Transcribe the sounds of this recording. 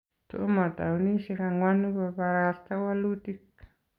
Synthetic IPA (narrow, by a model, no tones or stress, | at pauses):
t̪oʔomat̪a̰unisikaŋwanubapaɾast̪awalut̪ik